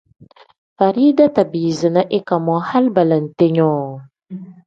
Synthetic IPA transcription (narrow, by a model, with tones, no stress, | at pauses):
fa˨ɾi˦da˦ta˨biː˨zɨ˨na˦ʔe˦ka˨mɔ˨˦ha˦lba˨la˨n̩˨te˦ɲɔː˦˨